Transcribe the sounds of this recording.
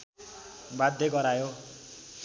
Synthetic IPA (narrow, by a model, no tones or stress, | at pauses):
bad̪ʱːeɡʌɾajo